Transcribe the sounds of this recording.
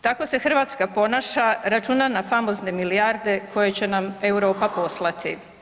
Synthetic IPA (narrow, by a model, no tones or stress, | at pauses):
t̪ako̞se̞xr̩ʋat̪skapo̞naːʃaɾat͡ʃuːnanafamo̞zne̞milijaɾd̪e̞kʰo̞je̞t͡ɕe̞name̞wɾo̞ːpapo̞slˠat̪ḭ